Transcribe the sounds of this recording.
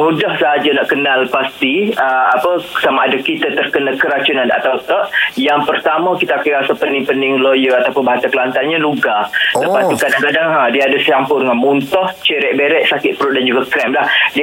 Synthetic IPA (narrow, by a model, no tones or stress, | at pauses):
mũdahsəɦad͡ʒanaʔkənalpast̪iəapəsamaadakit̪ət̪ərkənakəɾat͡ʃunãna̰t̪awt̪ɔʔ̚jaŋpərt̪amə̃kit̪aakajɾasapəndɪŋpəndɪŋlojəat̪apʊnbaɦant̪akəlant̪anɲãluɡaləpast̪ukadaŋkadaŋədiəadəsəjampʊdəŋanmunt̪ɔht͡ʃəɾɛʔ̚beɾɛʔsakɪʔ̪̚pɾʊʔ̚dand͡ʒuɡakɾɛmlahdi